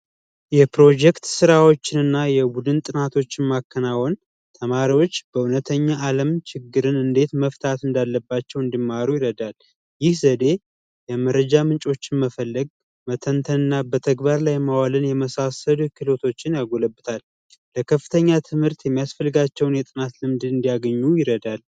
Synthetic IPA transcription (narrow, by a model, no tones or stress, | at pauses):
jɛpɾo̞d͡ʒɛkt̪sɨɾawo̞t͡ʃːɪnɨnːajɛbud̪ɨnt̪ʼɨnat̪ʰo̞t͡ʃːɪnmakːənawon | t̪ʰəmaɾiwo̞t͡ʃːb̥əunət̪ʰəɲːaʔːləmt͡ʃʰɪɡːɨɾɨnɨnd̪e̞t̪məft̪ʰat̪ɨnd̪alːəbːat͡ʃːɛwɨnd̪imːaɾujɪɾəd̪al | jɪhzəd̪e̞ | jɛməɾəd͡ʒamɨnt͡ʃʼo̞t͡ʃːɪnməfəlːəɡ̚ | mət̪ʰənt̪ʰənɨnːabət̪ʰəɡbaɾlajmawalɨnjɛməsasəlukɨlo̞t̪ʰo̞t͡ʃːɪnjaɡo̞ləbːɨt̪ʰal | ləkʰəfːɨt̪ʰəɲːat̪ʰɨmhɨɾt̪jɛmːijasfəlːɨɡat͡ʃːɛwnjɛt̪ʼɨnat̪lɨmd̪ɨɨnd̪ijaɡəɲːujɪɾəd̪al